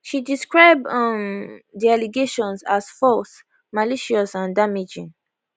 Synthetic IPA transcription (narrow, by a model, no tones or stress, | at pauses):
ʃidiskɹaɪbʌmdialiɡeʃɔ̃nsasfɔs | maliʃiɔsãndamid͡ʒḭ̃ŋ